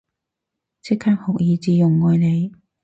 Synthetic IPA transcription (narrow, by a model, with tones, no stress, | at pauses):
t͡sʰɪ˥kʰːaː˥k̚hʊ˨k̚jiː˨˧t͡siː˨˧jʊ˨˩ŋːɔː˧jne˨˧j